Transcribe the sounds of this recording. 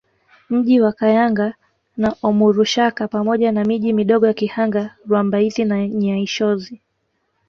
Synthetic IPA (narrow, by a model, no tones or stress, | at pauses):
m̩ʄiwakajaŋɡa | naʔɔmuɾuʃakapamɔʄanamiʄimiɗɔɠɔjakihaŋɡaɾwambaizinaɲaiʃɔzi